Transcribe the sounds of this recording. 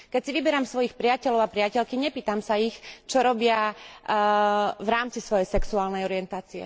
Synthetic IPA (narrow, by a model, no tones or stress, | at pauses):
kɛcsiʋibɛɾamsʋɔjixpɾɪacɛʎɔʊapɾɪacɛʎkiɲɛpiːt̪amsaixt͡ʃɔɾɔbɪa | vɾaːmt͡sisʋɔjɛjsɛksuaːlnɛjɔɾɪjɛnt̪aːt͡siɛ̰